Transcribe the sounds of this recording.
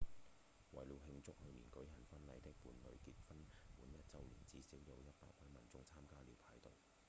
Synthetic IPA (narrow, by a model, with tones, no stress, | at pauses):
wɐ˨˩jli˨˧wɦɪ˧ŋt͡sʊ˥k̚hɵ˧ɥnḭː˨˩nkɵ˨˥ɥɦɐ˨˩nfɐ˥nlɐ˨˧jt̪ɪ˥k̚puː˨˧nlɵ˨˧ɥki˧t̚fɐ˥npuː˨˥njɐ˥t̚t͡sɐ˧wlḭː˨˩nt͡siː˨˧siː˨˥wjɐ˨˧wjɐ˥t̚pa̰ː˧k̚wɐ˨˥jmɐ˨˩nt͡sʊ˧ŋt͡sʰaː˥mkaː˥liː˨˧wpʰaː˨˥jt̪o˨w